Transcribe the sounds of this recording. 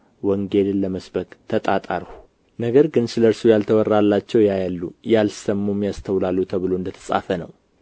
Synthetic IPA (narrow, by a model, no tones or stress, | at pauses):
wəŋɡelɨnləməsbəkʼt̪ʰət̪ʼat̪ʼaɾhu̥ | nəɡəɾɡɨnsɨləɾsujalt̪ʰəwɔrːalːat͡ʃːɛwjajalːujalsəmːumjast̪ʰəwlalːut̪ʰəβɨloɨnd̪ət̪ʰə̥sʼa̰fənə̰w